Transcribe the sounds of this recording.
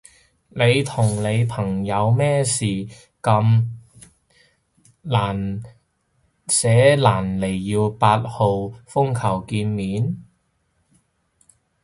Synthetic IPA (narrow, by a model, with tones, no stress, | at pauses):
ne˨˧jt̪ʰʊ˨˩ŋle˨˧jpʰɐ˨˩ŋjɐ˨˧wmɛː˥˩siː˨˩ | kɐ˧m | laː˨˩n | sɛː˨˥laː˨˩nle˨˩jːiː˧wpaː˧t̚ho˨˧wfʊ˥ŋkʰɐ˨˩wkiː˧nmiː˨˥n